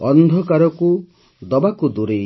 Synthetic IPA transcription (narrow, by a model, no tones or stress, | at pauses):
ɔnd̪ʱɔkaɾɔku | d̪ɔbakud̪uɾe